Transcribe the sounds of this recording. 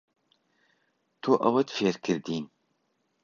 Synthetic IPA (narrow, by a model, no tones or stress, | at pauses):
t̪ʰoʔɐwɐt̪feːɾkʰɨɾd̪iːn